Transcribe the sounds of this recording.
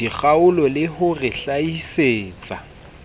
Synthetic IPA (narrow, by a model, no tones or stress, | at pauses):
iɣaʊlɔlɪhʊrɪɬaiseːt͡sʼa